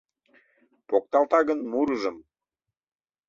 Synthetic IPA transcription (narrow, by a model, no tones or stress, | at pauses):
pok̚t̪ɑlt̪ɑɣənmuɾəʒəm